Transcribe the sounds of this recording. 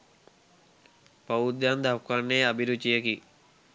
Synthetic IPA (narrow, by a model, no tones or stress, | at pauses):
pɐud̪jand̪afkaɳːeabiɾut͡ʃijeki